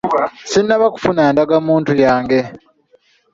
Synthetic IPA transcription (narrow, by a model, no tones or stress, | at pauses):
sinːaβaku̥funaːndaɡamuːntujaːŋɡe̞